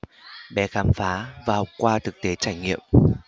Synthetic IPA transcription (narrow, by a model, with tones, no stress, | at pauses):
ɓɛ˨˦xaː˨˦mfaː˨˦vaː˨˩hɔ˨˩wk͡p̚kwaː˧t̪ʰɨ˨˩k̚t̪e˨˦t͡ɕaː˧˩jŋḭ˧˨əm